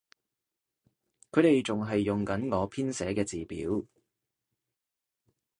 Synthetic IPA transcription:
kʰɵ˨˧t̪e˨jt͡sʊ˨ŋɦɐ˨jːʊ˨ŋkɐ˨˥nŋɔː˨˧pʰiː˥nsɛː˨˥kɛː˧t͡siː˨pḭː˨˥w

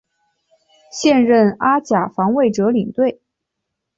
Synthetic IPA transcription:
ɕjɛ˥˧nɻə˥˩na˥t͡ɕja˨˩fɑ˧˥ŋwe˥˩ɪʈ͡ʂɤ˧˥li˨˩ŋt̪we˥˩ɪ

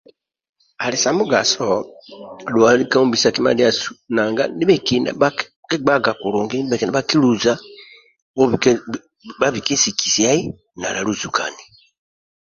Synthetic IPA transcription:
a˨li˨sa˨mu˦ɡa̰˨sɔ˨ | dwa˨li˦ka˦u˦mbi˨sa˨ki˦ma̰˦li˦a˦su̥˨na˨ŋɡa̰˦ni˦βɛ˨ki˨na̰˨ba˦kkɛ˦ɡ͡ba˦ɡa˨ku˨ɾu˨ŋɡi˦i˦bɛ˨ki˨na˦ba˦ki˦lu˨za˦ | ba˦βi˨ki˦si˨kʰi̥˨si˨a˦i˦ | na˨la˨lu˦zu˨kʰa̰˨ni˨

